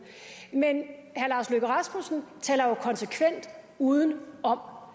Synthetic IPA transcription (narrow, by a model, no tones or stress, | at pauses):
menhæɐlɑ̈ːsløɡ̥ɐʁɑsmusn̩t͡sʰɛ̰ːlɐjokʰɒ̽nsekʰʋen̰d̥ | uːð̞ˠən̩ɒ̽m